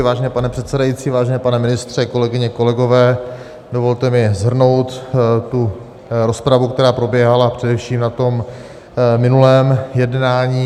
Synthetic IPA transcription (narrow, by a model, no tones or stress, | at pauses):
vaːʒɛnɛːpanɛpr̝̥ɛt̪sɛdajitt͡siːvaːʒɛnɛːpanɛmɪnɪst̪r̝̥ɛko̞lɛɡɪɲɛko̞lɛɡo̞vɛː | do̞vo̞lt̪ɛmɪzɦr̩no̞wt̪t̪u | ɾo̞spɾavuk̚t̪ɛɾaːpɾo̞bjɛɦalapr̝̥ɛdɛfʃiːmnat̪o̞m | mɪnulɛːmjɛdnaːɲiː